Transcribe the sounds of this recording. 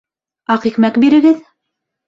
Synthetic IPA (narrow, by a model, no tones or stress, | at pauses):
ɑqikmækbiɾɘ̆ɡɘð